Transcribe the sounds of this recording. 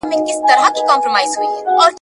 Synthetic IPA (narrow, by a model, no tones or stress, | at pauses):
mẽkɪst̪ɐɾakikãːmpɾomaːɪizɦuiɔːɾ